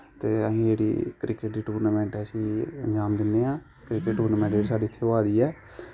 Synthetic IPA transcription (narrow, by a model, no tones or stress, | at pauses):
t̪eːəɦĩːd͡ʒeːɽḭːkɾɪkəʈɾiːʈuːɾnaːmɛ̃ːɳʈɛːəsĩːənd͡ʒaːmd̪ɪnd̪eːãː | kɾɪkəʈːuːɾnaːmɛ̃ːɳʈd͡ʒeːɾisaːɖiːɪt̪ʰːeːaːd̪iːɛː